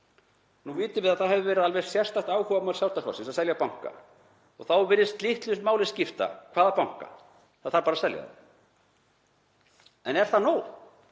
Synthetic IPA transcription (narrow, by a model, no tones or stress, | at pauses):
nuviːt̪ɪvɪðaðθaðhɛvɪvɛːɾɪðalvɛɾ̥sjɛr̥st̪aht̪aːwhɔvapmaw̪lsawɾt̪akʰa̰sɪnsaðsɛljapawŋ̥ka̰ | ɔ̰ɣθawvɪɾːɪst̪lɪht̪lʏsmaːwlɪ̥scɪft̪a̰kʰv̥aːðapawŋ̥ka̰ | aθaɾpaːɾasɛlja̰ða̰ | ɛnɛɾ̥θaðnoːw